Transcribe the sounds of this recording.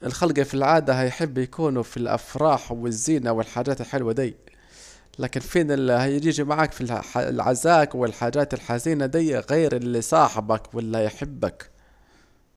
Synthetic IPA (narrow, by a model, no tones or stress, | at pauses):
ʔɪlxalɡafilʕaːd̪aɦajħɪbːjakuːnufilʔa̰fɾˤɑːħwɪzːiːnawɪlħaːd͡ʒaːt̪ɪlħɪlwad̪iː | laːkɪnfiːnɪhajɪd͡ʒiːd͡ʒimaʕaːkfila̰lʕa̰zaːkwɪlħaːd͡ʒaːt̪ɪlħaziːnad̪ijɣeːɾɪlːisˤɑːħɪbakwɪlːhajħɪbːak